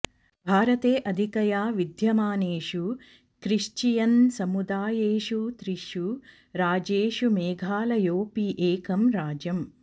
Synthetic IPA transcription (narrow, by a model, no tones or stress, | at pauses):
bʱaːɾɐt̪eːʔɐd̪ʱikɐjaːʋid̪ʱjɐmaːneːʂu | kɾiʂt͡ʃijɐnsɐmud̪aːjeːʂut̪ɾiʃju | ɾaːd͡ʒeːʂumeːɡʱaːlɐjoːpiʔeːkɐmɾaːd͡ʒɐm